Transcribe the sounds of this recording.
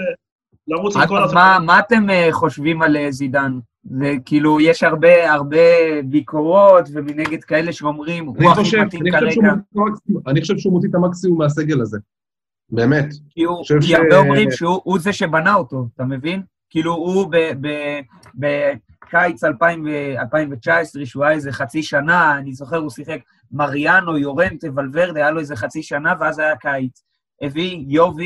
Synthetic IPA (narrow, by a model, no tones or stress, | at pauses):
lamoamamaːte̞mχo̞ʃvimalezidan | zekiːlujeʃaʁbe̞aʁbe̞biko̞ʁo̞tvemineɡe̞d̪kae̞le̞ʃeo̞mʁimuaoot̪inikaʁeʃɡot̪itamaksimuaniχoʃevʃɛumot̪̬it̪amaksimumːeaseɡelaze | be̞ːmet̪kiuoʃevkiaʁbeomʁimʃeuʔuzeʃe̞banaoto̞atame̞vin | kiːluubebe | be | kajt͡salpaimvealpaimvet͡ʃaesʁeʃeuajaeze̞χat͡siʃanaːnizo̞χe̞ʁusiχe̞k | maʁjano̞jo̞ʁemt̪evalve̞ʁd̪eajaloeze̞χat͡siʃanaveazajakait͡s | evijo̞vi